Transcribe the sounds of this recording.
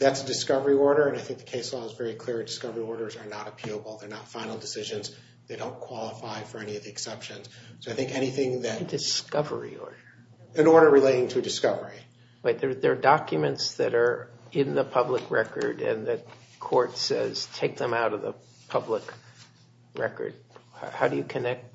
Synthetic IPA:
ðætsədɨskʌvə˞iɔɹɾə˞ɨ̃naɪθɪ̃ŋk̚ðɨkʰeɪslɔzvɛɹikʰl̥ɪɹɨd̥ɨskʌvə˞iɔɹɾə˞zə˞nəɾɨpʰilˠəbl̩ˠðə˞nətfãɪ̃nl̩ˠdɨsɪʒɨ̃nz | ðeɪdõʊ̃nkʰw̥ɑlˠəfaɪfə˞ɛñiʌvðiɨksɛpʃɨ̃nz̥soʊaɪθɪ̃ŋkɛñiθɪ̃ŋðɨtdɨskʌvə̰˞ḭɔ̰ɹdə˞ | ɨ̃nɔɹɾə˞ɹɨleɪɾɪ̃ŋtʰɨdɨskʌvə˞i | waɪt̪̚ðə˞ðə˞dɑkjɨmɨ̃ntsðɨɾə˞ɪ̃nðəpʰʌbləkʰɹɛkə̰˞ɾɨ̰̃nðɨ | kʰɔɹtsɛ̰z̥tʰeɪk̚ðɨ̃maʊɾʌvðə̰ | pʰʌblək | ɹɛ̰kə̰˞d̥̚hahaʊɾɨjɨkʰɨnɛk̚t̚

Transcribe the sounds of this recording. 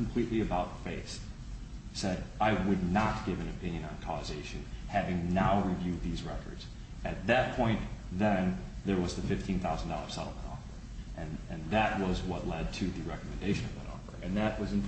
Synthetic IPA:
kʰm̩pʰl̥iʔˡliɨbaʊt̪̚ðfeɪsː | ɛɾaɪwɨdⁿnət̚ɡ̥ɪvɨ̃nɨpʰɪ̃njɨ̃nə̃nkʰɔzeɪʃɨ̃nhævɪ̃ŋnaʊɹivjʉd̪̚ðizɹɛkʰə̰˞dz̥ | ɨt̪̚ðɨt̚pʰɔ̃ɪ̃nðɨ̃nðə˞wʌzðɨfɪftʰĩnθaʊzn̩dɔ̰lˠə̥˞sɛ̰ɾl̩ˠmə̰̃ntɔ̰fə˞ | ʔɨ̃nɨ̃nðɨʔ̚wʌzwʌtˡlɛd̚tʰɨðɨɹɛkəmɨ̃ndeɪʃɨ̃nʌvðə̰ɾɔ̰fə̰˞ʔɨ̃nðɨʔ̚wʌzɨ̃n

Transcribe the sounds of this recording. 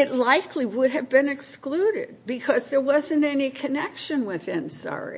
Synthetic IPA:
ɨtˡlaɪkʰliwʊɾ̚ɨvbɨ̃nɨkskluɾɪ̰d̚bɨkʰʌzðə˞wʌzɨ̃ntɛnikʰɨnɛkʃɨ̃nwɪðɨ̃nsɑ̰ɹḭ

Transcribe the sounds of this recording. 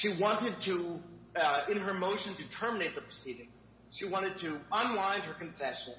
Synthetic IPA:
ʃiwɑ̃ntɨd̚tʰɨ | ɪ̃nə˞moʊʃɨ̃n̩tɨtʰɜ˞mɨneɪt̪̚ðəpʰɹ̥əsiɾɪ̃ŋz̥ | ʃiwɑ̃ɾ̃ɨd̚tʰɨə̃nlãɪ̃nə˞kɨ̃n̩sɛʃɨ̃n

